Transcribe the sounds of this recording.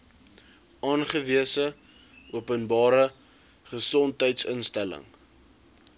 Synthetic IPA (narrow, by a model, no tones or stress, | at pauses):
ʔɑːnχəviəsə | uəpənbɑːɾə | χəsɔntɦəjtsənstælə̰ŋ